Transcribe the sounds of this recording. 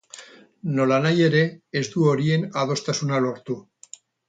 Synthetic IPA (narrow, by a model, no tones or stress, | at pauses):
no̞lanajeɾe̞ezd̪uoɾie̞naðo̞st̪asunaloɾt̪u